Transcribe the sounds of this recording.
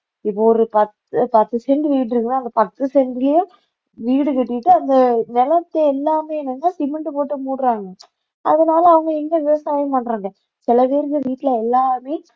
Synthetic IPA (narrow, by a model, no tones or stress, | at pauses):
ɪpːoɔɾɯpɐt̪ːɯpɐt̪ːɯsɛɳɖɯʋiːʈ̬ɾɯkːɯnːaːɐnd̪ɐpɐt̪ːɯsɛɳɖɪlɐjʊ̃ | ʋiːɽɯkɛʈːɪʈːɯɐnd̪ɐnɛlɐt̪ːɐɛlːaːmeːɛnːɐnːaːsɪmɛɳʈpoːʈːɯmuːɽɯɾaːŋɡɐ | ʔɐ̰ðɐnaːlɐɐʋɐŋɡɐɛnd̪ɐʋɪʋɐsaːjɐpɐɳɾaːŋɡɐ | sɪlɐpeːɾɯkːɯʋiːʈːɪlɐɛlːaːmeː